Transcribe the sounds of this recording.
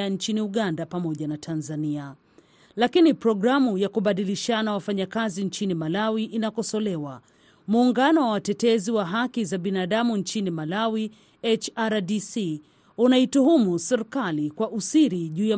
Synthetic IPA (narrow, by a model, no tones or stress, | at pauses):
ant͡ʃiniuɠandapamɔʄanatʰanzania | lakinipɾɔɡɾamujakuɓaɗiliʃanawafaɲakazint͡ʃinimalawiʔinakɔsɔlɛwa | muːŋɡanɔwawatɛtɛziwaɦakizaɓinaɗamuɲt͡ʃinimalawi | ɛt͡ʃaɾadisi | unaituɦumusɛɾikalikwaʔusiɾiʄuːja